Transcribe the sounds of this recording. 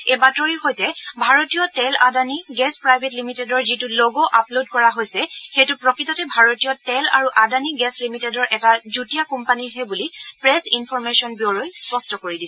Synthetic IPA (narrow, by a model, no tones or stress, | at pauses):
ɛbatɔɹiɹxojtɛbʱaɹotijɔtɛla̰daniɡɛspɹajbʱetlimitedɔɹzitulɔɡɔʔaplodkɔɹaɦojsɛxejtʊpɹɔkɹitɔtɛbʱaɹotijɔtɛla̰ɹuʔadaniɡɛslimitedɔɹʔɛtazutijakɔmpaniɹɦɛbulipɹɛsinpʰɔɹmesɔnbiɔɹojspɔstɔkoɹidisɛ